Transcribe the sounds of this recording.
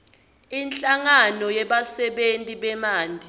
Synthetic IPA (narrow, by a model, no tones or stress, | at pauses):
inɬʼaŋanɔjɛɓasɛɓentʼiɓɛmaːndʱi